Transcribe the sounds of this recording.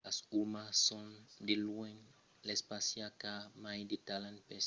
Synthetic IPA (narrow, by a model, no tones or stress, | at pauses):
asumassõnd̪ɪlwẽŋ | lespasiakamajd̪it̪alãnpes